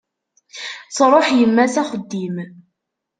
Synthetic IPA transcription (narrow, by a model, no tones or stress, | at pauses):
t͡sɾˤoħjəmːæsæχəd̪ːim